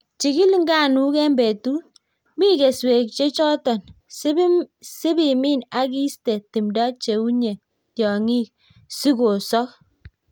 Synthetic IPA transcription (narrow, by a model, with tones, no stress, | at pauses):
t͡ʃi˨ki˦lŋ˦ɡa˦˨nu˦kɛ˦mbe˨tu˦ | mi˦ke˨swe˨k̚t͡ʃe˦t͡ʃɔ˦tɔ˨n˦ | si˦bi˨mi˦na˦ki˦ste˨ti˨mda˦t͡ʃe˨u˦ɲe˨ | tjɔ˨ŋi˦k̚ | si˦ko˨sɔ˦k̚